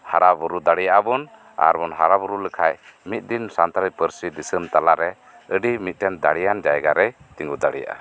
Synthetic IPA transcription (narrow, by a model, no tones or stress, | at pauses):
haɾabuɾud̪aɽijaʔabɔn | a̰ɾbɔnɦaɾabuɾuləkʰajmit̪̚ˀd̪insant̪aɾipəɾsid̪isəmt̪alaʔɾɛ | əɖimit̪̚ˀʈɛnd̪aɽijand͡ʒajɡaɾɛt̪iŋɡud̪aɽḭja̰ʔa̰